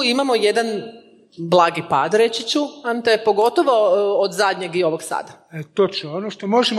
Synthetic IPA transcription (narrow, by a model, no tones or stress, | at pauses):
imamoje̞d̪an | blˠaːɡipaːd̪ɾet͡ɕit͡ɕuant̪epoɡo̞t̪oʋo̞od̪zad̪ʲɲeɡio̞ʋoɡsa̰ːd̪aet̪ot͡ʃnoonoʃt̪omoʒem